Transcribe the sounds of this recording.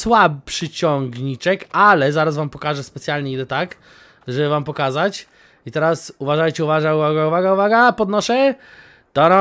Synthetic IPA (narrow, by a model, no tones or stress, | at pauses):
swabʂɘt͡ɕɔŋɡɲit͡ʂɛkalɛzaɾasvampɔkaʐɛspɛt̪sjalɲɛiɡd̪ɛt̪ak | ʐɛbɘvampɔkazat͡ɕ | it̪ɛɾasuvaʐajt͡ɕɛuvaʐauvaɡauvaɡauvaɡapɔd̪nɔʂɛ | t̪ɔna